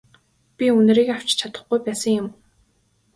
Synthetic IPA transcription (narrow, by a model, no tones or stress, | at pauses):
pʲiɵn̆ɾiːkaw̥t͡ɕt͡ɕʰat̪ə̥̆χɡujpæːsə̆ŋjʊm